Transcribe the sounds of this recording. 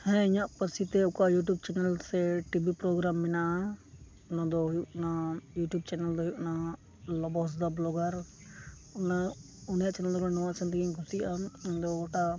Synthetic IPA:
hɛ̃ɪɲaʔpəɾsit̪ɛʊkajuʈ̬jub̚t͡ʃɛnɛlsɛʈibʱipɾɔɡɾamːɛna | ʊnad̪ɔɦjuʔnajuːʈjub̚t͡ʃɛnɛld̪ɔɦjuʔna | lɔbɔs̬d̪ablɔɡəɾ | ʊna | ʊnjaʔt͡ʃɛnɛld̪ɔɾɛnɔwãt͡ʃʰənt̪iɡiɲɡʱut̪ijand̪ɔɔʈa

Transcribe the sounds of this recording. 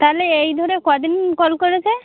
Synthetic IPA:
t̪aleejd̪ʱɔɾekɔad̪inkɔlkɔɹet͡ʃʰe

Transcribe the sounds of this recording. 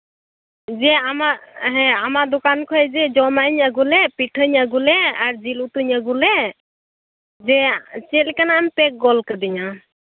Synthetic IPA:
zɛamaɦɛ̃amad̪ʊkankʰɔjzɛd͡ʒɔmaɲaɡulɛpiʈʰəɲaɡulɛaɹzilut̪uɲaɡulɛ | zɛt͡ʃɛlkanaampɛk̚ɡɔlkəd̪iɲa

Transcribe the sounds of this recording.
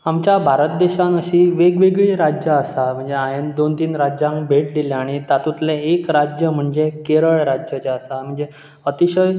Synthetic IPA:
amt͡ɕjabʱaɾət̪̚d̪eɕanəɕiʋeɡʋeɡɭiːɾad͡ʑjəəsam̤əɳd͡zeaɦend̪ont̪iːnɾad͡ʑãŋkbʱeʈlileaɽ̃it̪at̪ut̪leːkɾad͡ʑjəm̤əɳd͡zekeɾəɭɾad͡ʑjət͡ɕəsam̤əɳd͡ze | ət̪iɕəj

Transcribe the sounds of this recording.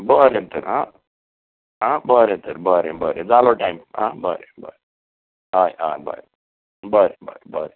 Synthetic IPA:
bəɾet̪əɾɦã | ɦãbəɾet̪əɾbəɾebəɾed͡zaloʈajmɦã̰ːbə̰ɾebə̰ɾe | ɦaja̰jbʱa̰ɾ | bəɾebə̰ɾebəɾe

